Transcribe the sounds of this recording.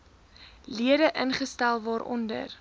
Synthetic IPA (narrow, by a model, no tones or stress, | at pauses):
liədəʔənχəstælˠvɑːɾʔɔ̰ndə̰r